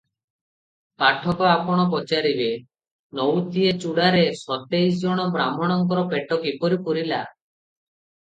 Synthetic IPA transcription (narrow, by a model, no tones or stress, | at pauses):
paʈʰɔkɔapɔɽ̃ɔp̬ɔt͡ʃaɾibe | nɔwt̪iet͡ʃuɽaɾesɔt̪ejs̬d͡ʒɔɽ̃ɔbɾamɔɽ̃ɔŋkɔɾɔpeʈɔkipɔɾipuɾila